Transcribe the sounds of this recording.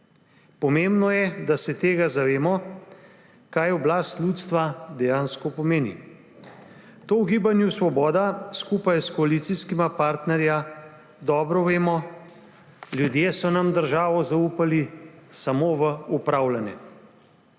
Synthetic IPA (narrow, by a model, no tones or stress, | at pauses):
pɔmeːmbnɔjɛd̪asɛt̪eːɡazaʋeːmɔ | kaːjɔblaːst̪lʲjuːt̪st̪ʋad̪ɛjaːnskɔpɔmeːnḭ | t̪oːwɡiːbanjusʋɔbɔːd̪askuːpajskɔaliːt̪siskimapaːɾt̪nɛɾja | d̪ɔːbɾɔʋeːmɔ | ljud̪jeːsɔnamd̪əɾʒaːʋɔzauːpalisamoːʋəupɾaːwlanɛ̰